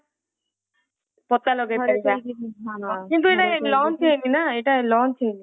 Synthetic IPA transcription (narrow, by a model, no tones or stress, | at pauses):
pɔt̪alɔɡeaika | kint̪̬ueʈalɔnt͡ʃʰeninaeʈalɔnt͡ʃʰejni